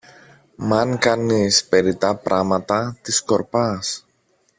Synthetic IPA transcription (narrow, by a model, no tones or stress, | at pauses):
mɐŋkɐnispe̞ɾit̪ɐpɾʔɐmɐt̪ɐt̪isko̞ɾpɐs